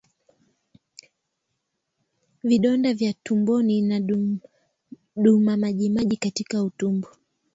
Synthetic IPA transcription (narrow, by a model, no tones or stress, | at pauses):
viɗɔndavjatumbɔnina | ɗumamaʄimaʄikatikautumbɔ